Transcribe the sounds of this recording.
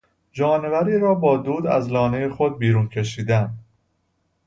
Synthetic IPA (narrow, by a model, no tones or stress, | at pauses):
d͡ʒɒːne̞væɾiːɾɒːbɒːd̪uːd̪æ̰zlɒːne̞jexo̞d̪̚biːɾuːncʰe̞ʃiːd̪ænd̪